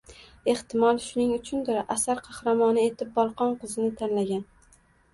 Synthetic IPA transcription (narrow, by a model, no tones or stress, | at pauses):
e̞ht̪ʰɪmɒlˠʃʊnɪŋʊt͡ʃʰʊnd̪ɪɾʔasaɾqʰɑhɾamɒnɪe̞t̪ʰɪp̚bɒlˠqʰɒnqʰɨzɪnɪt̪ʰanlaɡʲan